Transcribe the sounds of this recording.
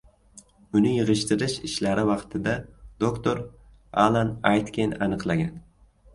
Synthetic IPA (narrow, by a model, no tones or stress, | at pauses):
ʊnɪjɨʁɨʃt̪ɪɾɪʃɪʃlaɾɪvɑqt̪ʰɪd̪ad̪̥okt̪oɾ | alˠanajt̪kʲenanɨqlˠaɡʲan